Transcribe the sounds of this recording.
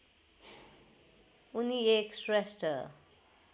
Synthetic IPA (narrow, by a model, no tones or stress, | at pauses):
unieksresʈʌ